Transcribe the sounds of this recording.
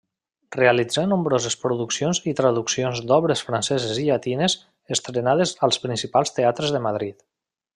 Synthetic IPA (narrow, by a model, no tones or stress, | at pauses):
realid͡zanumbɾozespɾuðuksionzit̪ɾaðuksionzd̪ɔβɾesfɾansɛzeziʎat̪inez | əst̪ɾenaðezalˠspɾinsipalˠst̪eat̪ɾəzðəmaðɾit̪